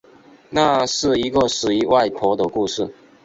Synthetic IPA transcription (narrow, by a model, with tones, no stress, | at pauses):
na˥˧ʂɻ̩˥˨i˧˦˥ɡə˨ʂɻ̩˨˩i˧˥wa˥˨ɪpʰɔ˧˥˦d̪ə˨ku˥˧ʂɻ̩˥˩